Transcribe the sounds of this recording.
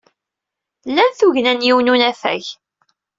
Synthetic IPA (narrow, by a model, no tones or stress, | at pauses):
lːænθuʝnænjiwnunæfæ̰ʝ